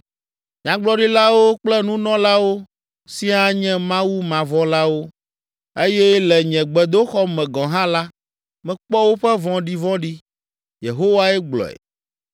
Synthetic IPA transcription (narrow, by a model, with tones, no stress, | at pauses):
ɲã˨ɡ͡blɔ˦ɖi˦la˦wo˦k͡plɛ˦nũ˦nɔ̃˦la˦wo˦ | si˦a˦ɲɛ̃˦mã˦wu˦mã˨vɔ̃˦la˦wo˦ | e˦jɛ˦lɛ˨ɲɛ̃˨ɡ͡bɛ˨d̪o˦xɔ˦mɛ̃˨ɡɔ̃˨ɦã˦la˦ | mɛ̃˨k͡pɔ˦wo˦ɸɛ˦vɔ̃˦ɖi˦vɔ̃˦ɖi˦ | je˨ɦo˦wa˦ɛ˦ɡ͡blɔ̰˨ɛ̰˨